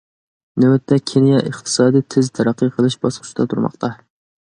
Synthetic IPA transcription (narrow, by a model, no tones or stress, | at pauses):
nɪwɛt̪ʰːɛkʲʰenijɛʔəχt̪ʰɨ̥sɑːd̪ijt̪ʰɪzt̪ʰæɾæqːɨqʰəlˠɨʃbɑsqʰʊ̥t͡ʃʰd̪ɑt̪ʰuɾmɑ̰qt̪ʰɑ